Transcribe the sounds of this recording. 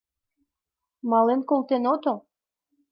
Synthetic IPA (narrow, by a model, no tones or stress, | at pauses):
mɑlenkolˠt̪enot̪o